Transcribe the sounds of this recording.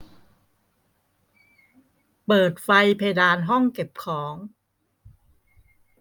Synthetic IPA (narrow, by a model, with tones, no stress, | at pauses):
pɤː˨˩t̪̚fa˧jpʰeː˧jdaː˧nɦɔ˥˩ŋke˨˩p̚kʰɔː˩˦ŋ